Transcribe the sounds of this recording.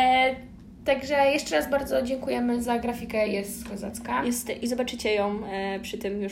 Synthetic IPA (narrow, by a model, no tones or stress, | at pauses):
t̪aɡʐɛjɛʂt͡ʂɛɾazbaɾd̪zɔd͡ʑɛŋkujɛmɘzaɡɾafʲikɛjɛst̪kɔzat̪skajɛst̪izɔbat͡ʂɘt͡ɕɛjɔ̃w̃pʂɘt̪ɘmju